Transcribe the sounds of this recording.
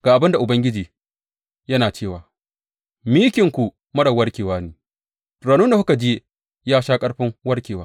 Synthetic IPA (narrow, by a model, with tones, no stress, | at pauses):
ɡ̥aː˨ʔa˨bɪ˦nda˨ʔʊ˨bɐ˦ŋɡʲɪ˦d͡ʒiː˨ | jɐ˦naː˨t͡ʃeː˦˨waː˨ | miː˦kʲɪ˨ŋkʷu˨ | mɐ˦ɽɐ˨wɐ˦ɽkʲeː˨waː˦neː˦ | ɾaː˨nʊ˦nda˨hʊ˦ka˨d͡ʒeː˦ | jaː˦ʃaː˦kʼɐ˦ɽɸɪ˦ŋwɐ˦ɽkʲeː˨waː˦